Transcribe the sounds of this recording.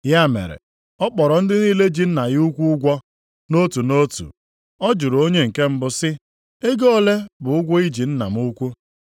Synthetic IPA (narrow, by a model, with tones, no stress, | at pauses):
ja˦˨mḛ˨ɾḛ˨ | ɔ˦k͡pɔ˨ɾɔ˨n̩˦dɪ˦niː˦le˦d͡ʒi˨n̩˦na˨ɣu˦kʷu˦ʊ˦ɡʷɔ˦ | no˦tu˨no˦tṵ˨ | ɔ˦d͡ʒʊ˨ɾo˦ɲe˦ŋ̩˨ke˦m̩˦bʊ˦sɪ˦ | e˦ɡo˦le˦bʊ˨ʊ˦ɡʷɔ˦i˦d͡ʒi˨n̩˦na̰˨m˦u˦kʷu˦